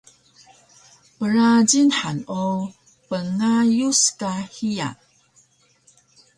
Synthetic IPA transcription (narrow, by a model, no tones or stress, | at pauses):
pəɾaɟinħano | pəŋajuskahia̰n